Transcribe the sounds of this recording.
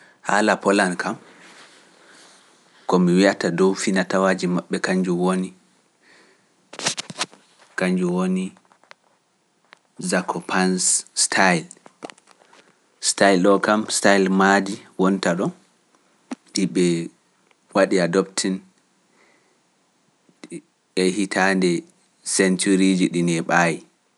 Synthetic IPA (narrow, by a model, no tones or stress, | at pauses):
ha̰lapɔlankʰam | kɔmiwiatadɔwfinatawaːd͡ʒimaɓːɛkaɲd͡ʒuwoni | kaɲd͡ʒuwoni | zakʰɔpʰansstʰajl | stajlɗɔkamstajlmadiwɔntaɗɔ | ɗiɓɛ | waɗiadɔptʰin | ɛhitʰandɛ | sɛntuɾid͡ʒiɗinɛɓaːji